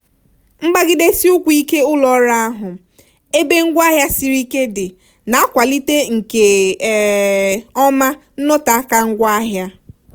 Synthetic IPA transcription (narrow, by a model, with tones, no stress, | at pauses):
ŋ͡m̩˦ɡ͡ba˦ɡɪ˦de˦si˦ʊ˦kʷu˨i˦ke˦ʊ˦lɔ˦ɾa˦a˦ɦʊ˨ | e˦be˦ŋ̩˦ɡʷa˦ɦja˦si˨ɾi˦ke˦dɪ˨ | na˨a˦kʷa˨li˦te˦ŋ̩˨ke˨ | ɔ˦ma˦n̩˦nʊ˦ta˨a˦ka˦ŋ̩˦ɡʷa˦ɦja˦